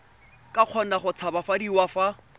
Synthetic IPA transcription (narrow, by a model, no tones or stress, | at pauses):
kʼaq͡χʰɔn̩aχʊt͡sʰabafadiwafa